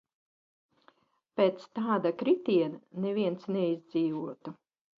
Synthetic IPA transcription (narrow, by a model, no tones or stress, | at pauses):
pʲeːt̪st̪aːd̪akɾit̪iɛnanevʲiɛntsnɛizʲd̪ziːvuɔt̪u